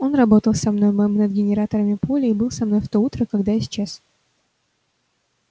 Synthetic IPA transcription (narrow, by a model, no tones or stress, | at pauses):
o̞nrɐbo̞t̪əlˠsɐmno̞jməjmnəd̪̚ɡʲɪnʲɪɾat̪əɾəmʲɪpolʲɪibɨlˠsɐmno̞jft̪out̪ɾəkɐɡd̪ajɪsʲɪ̥t͡ɕas